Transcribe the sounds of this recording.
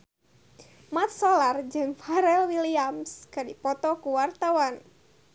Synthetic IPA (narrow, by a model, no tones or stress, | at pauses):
mat̪̚sɔlard͡ʒɨŋfaɾɛlwiliamskɨdipɔt̪ɔkuwart̪awan